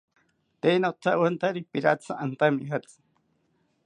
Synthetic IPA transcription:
t̪einoʔt̪ʰawant̪aɾipiɾat͡sʰaʔant̪amiɦat͡sɨ̥

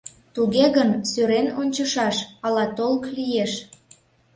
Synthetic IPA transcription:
t̪uɣeɣənsøɾenonʲt͡ɕəʃɑʃɑlɑt̪olklijeʃ

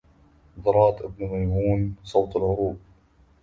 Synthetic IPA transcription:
d̪ɑɾˤɑːt̪ʔɪbnmajmuːnsˤowt̪alʕʊɾuːb

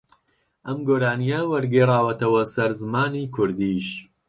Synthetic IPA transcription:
ʔɐmɡoːɾaːnijɐwɐɾɡerˤaːwɐt̪ɐwɐsɐɾzɨmaːniːkʰʊɾd̪iʃ

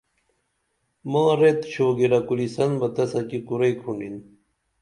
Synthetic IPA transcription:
mãːɾet̪ɕoːɡiɾɐkulisɐnbɐt̪ɐsɐkikuɾejkʰuɳɖin

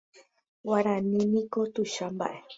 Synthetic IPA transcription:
waɾãnĩnĩkot̪uʃamba̰ʔe

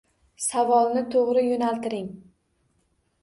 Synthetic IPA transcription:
savɒlˠnɪt̪ʰoʁɾɪjonalt̪ɪɾɪŋ

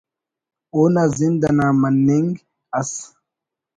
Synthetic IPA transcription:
onazind̪anamanːeŋɡ | as

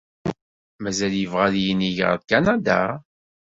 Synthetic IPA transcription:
mæzæljəvʁaljəniʝʁə̰ðkanad̪a̰

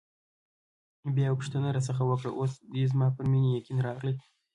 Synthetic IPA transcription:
bjɑpʊ̥ʂt̪ənəɾɑs̬əxawəkɽə̰ʔosd̪izmɑpəɾminijekinɾɑɣləj

